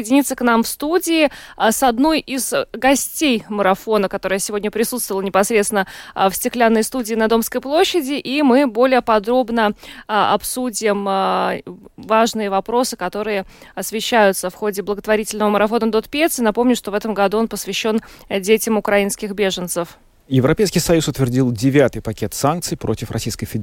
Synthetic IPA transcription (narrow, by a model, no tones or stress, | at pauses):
jɪdʲɪnʲit̪sːəknamfst̪udʲɪːsɐd̪no̞jɪzɡɐsʲtʲejməɾɐfo̞nəkɐt̪o̞ɾəjsʲɪvʲo̞dʲnʲəpɾʲɪsut̪st̪vəlˠnʲɪpɐsɾʲet̪sɪnəfsʲtʲɪklʲanːəjst̪udʲɪːnɐd̪o̞mskəjplˠo̞ɕːɪdʲɪʔimɨbo̞lʲɪjəpɐd̪ɾo̞bnəɐ̰psudʲɪm | vaʐnɨjəvɐpɾo̞sɨ̥kɐt̪o̞ɾɨjəɐsvʲɪɕːæjʊt̪səfxo̞dʲɪblˠəɡət̪vɐɾʲitʲɪlʲnəvəməɾɐfo̞nəd̪o̞t̪pʲet̪sɨnɐpo̞mnʲʊʂt̪o̞vɛt̪əmɡɐd̪uonpəsvʲɪɕːo̞n | dʲetʲɪmʊkɾɐinskʲɪxbʲeʐənt̪səf | jɪvɾɐpʲejskʲɪjsɐjusʊt̪vʲɪrdʲilˠdʲɪvʲat̪ɨjpɐkʲe̞t̪sank̪̚sɨjpɾo̞̰tʲɪfrɐ̰sʲijskəjfʲɪ